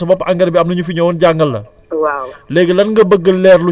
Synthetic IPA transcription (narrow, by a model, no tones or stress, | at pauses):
sɐbɐbʔaŋɡɐɾbiɐm̚nɐɲufiɲɔwɔnɟaŋɡɐlːɐ̰ | walɛɡəlɐnŋɡɐbəɡːəlːɛrlu